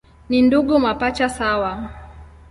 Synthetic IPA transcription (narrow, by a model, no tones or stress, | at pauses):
ninduɠumapat͡ʃasawa